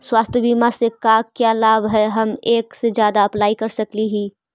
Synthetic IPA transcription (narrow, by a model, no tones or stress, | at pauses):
swaːst̪ʰjəbiːmasekakjalaːbɦɛɦɐmeːksed͡ʒjaːd̪aɐplaːikɐɾsɐkliɦiː